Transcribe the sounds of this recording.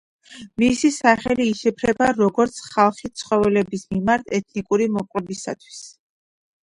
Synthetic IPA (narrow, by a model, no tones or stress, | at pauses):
misisaχɛliːʃɛpʰɾɛbaɾɔɡɔɾt̪sʰχalˠχit̪sʰχɔvɛlɛbismimaɾt̪ʰɛt̪ʰnikʼuɾimɔpʼwɛbisa̰t̪ʰwi̥s